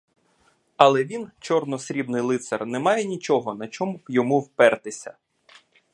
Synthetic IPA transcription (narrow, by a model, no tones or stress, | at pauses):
ɐlˠɛʋʲint͡ʃɔrnɔsɾʲibnɪjlˠɪt̪sɛrnɛmɑjɛnʲit͡ʃɔɦɔnɐt͡ʃɔmuwjɔmuwpɛrt̪ɪsʲɐ̰